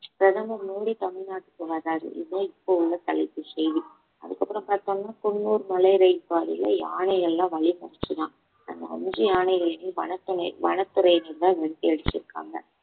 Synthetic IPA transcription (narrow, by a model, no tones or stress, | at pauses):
pɾɐðɐmɐɾnuːɽit̪ɐmɪɭnaːʈːɯ̥kːɯʋɐɾaːɾɯ̰ʔɪ̰ðoːɪpːoʊɭːɐt̪ɐlɐɪt̪ːɯsɛjʋi | ɐ̰ðɯkːɐpːɯɾɐ̃mpaːɾt̪oŋɡɐnːaːkɔnːuːɾɯmɐlɐɪɾɐɪpːaːɾɪ̰lɐ̰ja̰ːɳɐɪɣɐɭɛlːãːʋɐɭimɐɾɐt͡ʃːɯðãː | ɐ̰nd̪ɐɐ̰nd͡ʒiaːɳɐɪɣɐɭɛneʋɐ̰ɳɐt̪ːɯnɐʋɐ̰ɳɐt̪ːɯɾɐjnɪnd̪ãːʋɛɽɯt̪ːiɐɽɯt͡ʃːɪɾɯkːa̰ːŋɡɐ̰